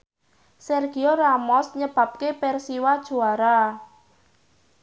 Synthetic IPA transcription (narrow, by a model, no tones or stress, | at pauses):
sɛrɡ̥ioramɔsɲəb̥ä̤p̚kepɛrsiwad̥ʒ̥o̤aɾa